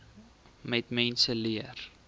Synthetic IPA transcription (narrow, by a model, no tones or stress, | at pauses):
mɛtmɛnsəliər